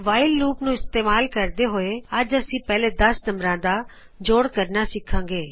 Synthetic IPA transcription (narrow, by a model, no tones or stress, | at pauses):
ʋaːɪlːuːpnũɪst̪eːmaːlkɐɾd̪eɦoːeɐd͡ʒɐsĩpɛːled̪ɐsnɐmɾãd̪a | d͡ʒoːɽkɐɾnasɪkʰːãːŋɡeː